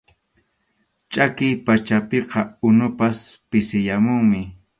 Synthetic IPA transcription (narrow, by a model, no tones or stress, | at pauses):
t͡ʃʼakɪjpat͡ʃapeqɑʊnʊpaspɪsɪjamʊŋmɪ